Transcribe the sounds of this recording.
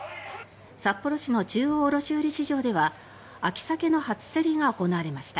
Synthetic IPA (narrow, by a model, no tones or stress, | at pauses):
sapːo̞ɾo̞ɕino̞t͡ɕɨːoːɾo̞ɕɨːɾʲiɕiʑo̞ːd̪e̞β̞a | akʲi̥sake̞no̞hat͡sɨ̥seɾʲiɡaoko̞naːɾe̞maɕi̥t̪a